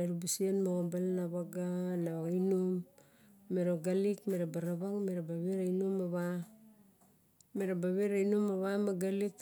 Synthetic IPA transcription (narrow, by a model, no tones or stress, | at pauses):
aɾubusianmaɣombalnaβaɡanaβaɡainumː | eɾoɡalikmeɾabaɾaβaŋmeɾabaβeɾainumaβa | meɾabaβeɾainumaβamaɡalik